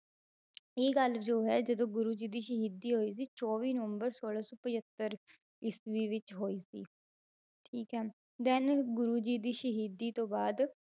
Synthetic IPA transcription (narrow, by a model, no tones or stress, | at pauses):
eːɡəld͡ʒoːɦɛːd͡ʒəd̪õːɡʊɾuːd͡ʒiːd̪iːʃəɦiːd̪iːɦoːiːs̬iːt͡ʃɔːʋiːnəʋəmbəɾsoːlaːsɔːpɪd͡ʒət̪ːəɾ | ɪsʋiːʋɪt͡ʃɦoːiːsḭː | ʈʰiːkɦɛː | d̪ɛnɡʊɾuːd͡ʒiːd̪iːʃəɦiːd̪iːt̪õːbaːd̪